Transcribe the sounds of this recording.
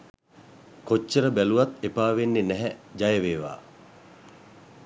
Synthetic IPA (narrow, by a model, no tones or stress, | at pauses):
kot͡ʃːəɾəbæluʋat̪epaːʋenːenɛɦɛd͡ʒajəʋeːʋa̰ː